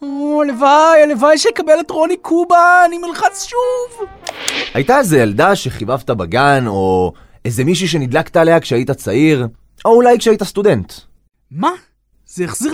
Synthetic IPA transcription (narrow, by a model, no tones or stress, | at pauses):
olevajalevajʃelkabeletʁolikʰubaːnimilχat͡sʃuv | ajtaezejaldaʃe̞χivavt̪abaɡano̞ | ezemiʃ̬uʃ̬e̞nid̪lakt̪aːle̞akʃeaitat͡saiʁ | ʔo̞ulajkʃeaitast̪ude̞nt | ma | z̥eːχziʁ